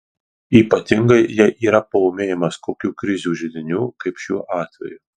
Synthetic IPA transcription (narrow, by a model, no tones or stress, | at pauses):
iːpɐt̪ʲɪŋɡɐɪjɛɪʔiːɾɐpɐoːmʲeːjɛmɐskoːkʲuːkɾʲɪzʲuːʒʲɪd̪ʲɪnʲuːkɐɪpʃʲṵːʔɑːt̪ʲʋʲɛ̰juː